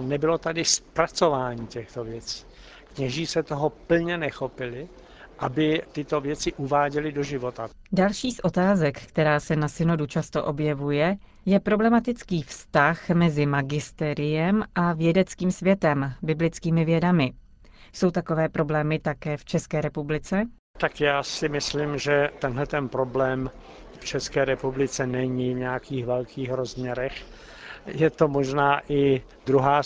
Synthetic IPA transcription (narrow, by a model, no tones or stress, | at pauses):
nɛbɪlot̪adɪspɾat͡sovaːɲiːcɛxt̪ovjɛt͡si̥ː | kɲɛʒiːsɛt̪oɦopl̩ɲɛnɛxopɪlɪ | ʔabɪt̪ɪt̪ovjɛt͡sɪʔuvaːɟɛlɪdoʒɪvot̪a | dalʃiːsʔo̞t̪aːzɛkkt̪ɛɾaːsɛnasɪno̞dut͡ʃast̪oʔo̞bjɛvujɛ | jɛpɾo̞blɛmat̪ɪt͡skiːfst̪axmɛzɪmaɡɪst̪ɛɾɪjɛmʔavjɛdɛt͡skiːmsvjɛt̪ɛmbɪblɪt͡skiːmɪvjɛdamɪ | so̞wt̪ako̞vɛːpɾo̞blɛːmɪt̪akɛːft͡ʃɛskɛːɾɛpublɪt͡sɛ | t̪akjaːsɪmɪslimʒɛt̪ɛnɦlɛt̪ɛnpɾoblɛːm | ft͡ʃɛskɛːɾɛpublɪt͡sɛnɛɲivɲɛakʰiːxvɛlkʰiːxɾozmɲɛɾɛx | jɛt̪omoʒnaːʔɪ | d̪ɾuɦaː